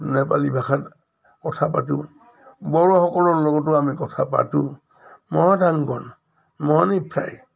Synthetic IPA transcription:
nɛpalibaxat | kɔtʰapatu | bɔɹɔxɔkɔlɔɹlɔɡɔt̬ːʊamikɔtʰapa̰tu | mɔɔdʱaŋɡɔn | mɔanipʰɹa̰j

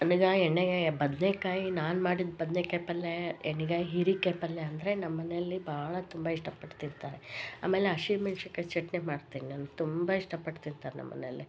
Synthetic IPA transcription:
ɐniɡaːeɳːebɐd̪nekaːjinaːnmaːɽid̪bɐd̪nekeːpɐlːeeɳiɡaːjiɦiɾikepɐlːeɐnd̪ɐɾenɐmːɐnejɐlːibʱaːɭɐt̪umbaiʂʈɐpɐʈt̪int̪aːɾea̰ːme̞ːleɐʃimɐnʂɐkːet͡ʃeʈneːmaːɽt̪iːninant̪umbaiʂʈɐpɐʈt̪int̪aːɾenɐ̰mːɐ̰neɐ̰lːi

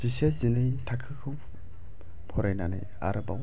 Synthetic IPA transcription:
zisezinɯjtʰakʰɯkʰɯw | pʰɔɾajnana̰j | a̰ɾɯba̰w

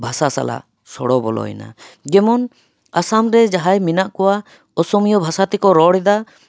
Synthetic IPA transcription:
bʱasasa̰la̰ | sɔɽɔbɔ̰lɔ̰ɛ̰na̰ɡɛmɔn | asamɾɛd͡ʒaɦajminaʔkɔwa | ɔsɔmijɔbʱasat̪ɛkɔɾɔɽɛd̪a

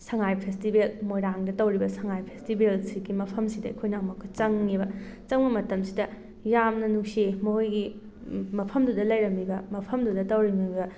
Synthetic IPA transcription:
sɐŋajpʰestibelmojɾaŋdɐtɐwɾibɐsɐŋajpʰestibelsiɡimɐpʰɐmsidɐikʰojnɐɐmɐkʰut͡ʃɐŋːibɐt͡ʃɐŋbɐmɐtɐmsidɐ | jamnɐnuksimojɡi | mɐpʰɐmdudɐlɐjɾɐmːibɐmɐpʰɐmdudɐtɐwɾimiɡɐ

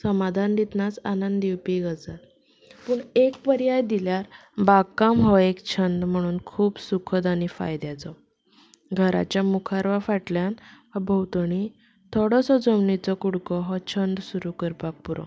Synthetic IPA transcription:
səmad̪ʱand̪it̪nat͡sa̰nənd̪iwpiɡʱət͡sat̪ | puɳekpəɾjajd̪iljaɾ | bakamɦɔekt͡ɕʰənd̪m̤əɽ̃uːnkʰuːbsukʰəd̪anifa̰jd̪jad͡zɔ | ɡʱəɾa̰t͡ɕjamukʰaɾʋafaʈljanɦbʱəwt̪ɳi | t̪ʰɔɽɔsɔd͡zɔmnit͡sɔkuɽkɔɦɔt͡ɕʰənd̪suɾukəɾpak̚puɾɔ̰̃

